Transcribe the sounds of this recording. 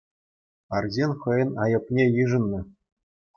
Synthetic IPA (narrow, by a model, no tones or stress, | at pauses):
ɑrzʲenʲχɤ̆jɤ̆nɑjɤ̆pnʲejɯʐɤ̆nːɤ̆